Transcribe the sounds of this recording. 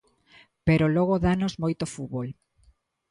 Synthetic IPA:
peɾoloɣoðanozmojt̪ofuβol

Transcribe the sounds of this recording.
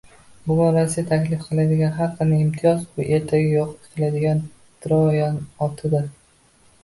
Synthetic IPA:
bʊɡʲʊnɾasijat̪ʰakʲlɪfqʰɨlˠad̪ɪɡʲanɦaqʰːɨnɪɪmt̪ʰɪjɒzbʊʔe̞ɾt̪ʰaɡʲɪjoqe̥t̪ʰɪlad̪ɪɡʲan | d̪̥ɾɒjɒnɒt̪ʰɪd̪ɪ

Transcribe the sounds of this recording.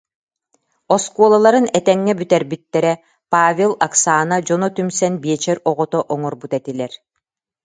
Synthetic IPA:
ɔskuɔlˠalˠaɾɯnɛt̪ɛŋːɛbyt̪ɛɾbit̪ːɛɾɛ | paːvʲelˠaksaːnad͡ʒɔnɔt̪ymsɛnbiɛt͡ɕɛɾɔʁɔt̪ɔʔɔŋɔɾbut̪ɛt̪ilɛɾ

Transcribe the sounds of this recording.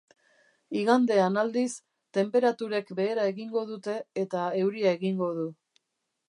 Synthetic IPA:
iɣand̪e̞anald̪is | t̪e̞mpe̞ɾat̪uɾe̞kbe̞ːɾae̞ɣiŋɡo̞ð̞ut̪e̞ːt̪ae̞wɾiae̞ɣiŋɡo̞ð̞u

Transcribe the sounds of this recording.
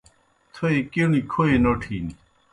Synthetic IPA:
t̪ʰoekinikʰoenoʈʰiːni

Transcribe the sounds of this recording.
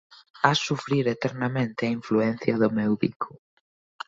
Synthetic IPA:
asufɾiɾet̪ɛɾnɐmẽnt̪ɪɐiɱfluɛnθjɐðʊmewβḭkʰʊ̥

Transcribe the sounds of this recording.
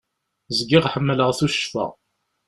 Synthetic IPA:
zɡiʁħəmːələʁθuʃə̥fæ̰

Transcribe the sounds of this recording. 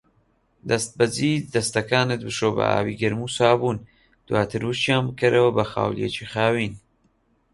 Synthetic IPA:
d̪ɐst̪̚bɐziːd̪d̪ɐst̪ɐkaːnɨt̪̚bɨʃoːbɐ̰ʔa̰ːwiɡɐɾmusaːbuːn | d̪̥waːt̪ʰɨɾwɨʃt͡ʃjaːnbɨkʰɐɾɐwɐbɐxa̰ːwljḛt͡ʃʰixaːwiːn

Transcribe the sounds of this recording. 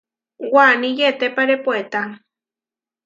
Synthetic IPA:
wanĩjet̪epaɾepoet̪a

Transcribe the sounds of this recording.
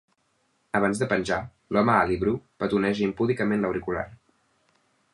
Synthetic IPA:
əβanzðəpənʲʒa | lɔməaliβɾupət̪unɛʒimpuðikəmenləwɾikula̰r

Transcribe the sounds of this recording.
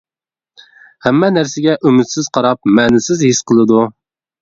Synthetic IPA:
hæmːɛnæɾsɪɡʲɛʔymɪt̪sɪz̥qʰɑɾɑp̚mɛːnɪsɪzɦɪsqʰəlˠɨd̪u

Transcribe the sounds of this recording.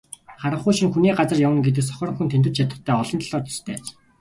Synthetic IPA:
χaɾə̆χujʃĭŋxuniːɢat͡sə̆rjawə̆nɡet̪̬ɘ̆sɔ̥xʲɔːɾɞ̆ŋxunt̪ʰent̪ɘ̆t͡ɕʰat̪ə̆χt̪ʰːæːɔɮɞ̆nt̪ʰɮɔːt̪ʰɔ̥st̪ʰæːt͡ɕ

